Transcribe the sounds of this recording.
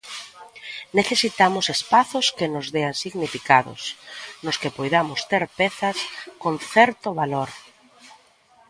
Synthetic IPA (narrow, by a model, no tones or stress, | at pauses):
neθesit̪amʊsespaθʊskenʊzðeansiɣnifikaðʊ̰snʊskepojðamʊst̪eɾpɛθɐskonθɛɾt̪oβaloɾ